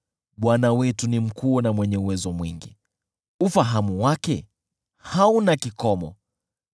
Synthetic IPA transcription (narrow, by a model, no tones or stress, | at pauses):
ɓwanawɛtunim̩kunamwɛɲɛuwɛzɔmwiŋɡḭ | ufaɦamuwakɛ | haunakikɔmɔ̰